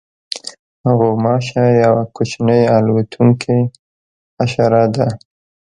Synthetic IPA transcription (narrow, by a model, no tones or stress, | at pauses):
haɣomɑʃajawakot͡ʃnəjalwat̪ʰuŋkʰe | aʃɑɾɑd̪a